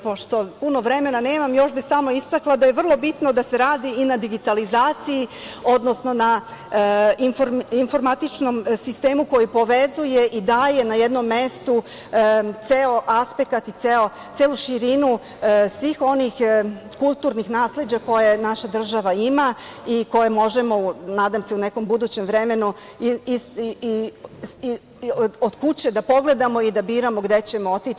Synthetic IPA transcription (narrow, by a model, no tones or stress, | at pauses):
po̞ʃt̪o̞puno̞ʋɾe̞me̞nane̞ːmamjo̞ʃbixsamo̞ist̪aklˠad̪ajeʋr̩lˠo̞bit̪no̞d̪ase̞ɾaːd̪iːnad̪iɡit̪alizaːt̪sijio̞d̪no̞sno̞na | nfoɾinfo̞ɾmat̪it͡ʃno̞msist̪e̞ːmuko̞jipo̞ʋezuje̞ʔid̪aːje̞najed̪no̞mːest̪u | t̪seo̞ʔaspe̞kat̪it̪seo | t̪seːluʃiɾinu | sʋiːxo̞nix | kulˠt̪uɾnixnaːsle̞d͡ʑako̞je̞naʃad̪r̩ʒaʋaimaiko̞je̞mo̞ʒe̞mo̞unaːd̪amse̞une̞ko̞mbud̪uːt͡ɕe̞mʋɾe̞me̞nu | od̪̥kut͡ɕe̞d̪apo̞ɡle̞d̪amo̞id̪abiːɾamo̞ɡd̪e̞t͡ɕe̞moot̪i